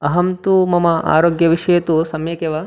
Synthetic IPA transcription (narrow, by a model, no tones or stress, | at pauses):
ɐɦɐmt̪umɐmɐa̰ːɾoːɡjɐʋiʂɐjɐt̪usɐmjɐkeʋɐ